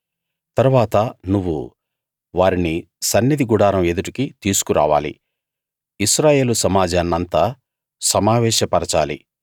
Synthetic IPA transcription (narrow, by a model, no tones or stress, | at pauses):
t̪ɐɾuʋaːt̪ɐnuʋːṵ | ʋaːɾini | sɐnːid̪iɡuɽaːɾɐmed̪uʈikit̪iːsu̥kuɾa̰ːʋaːlḭ | iʃɾaːje̞ːlusɐmaːd͡ʒaːnːɐnt̪ɐ | sɐmaːʋɛːʃɐpɐɾɐt͡ʃaːlḭ